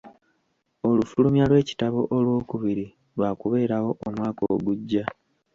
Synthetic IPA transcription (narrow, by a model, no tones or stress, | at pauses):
o̞lufulumjalwe̞ːci̥taβo̞ʔolwo̞ːkuβiɾi | lwaːkuβe̞ːɾawo̞ʔːmwaːko̰ːɡuɟːa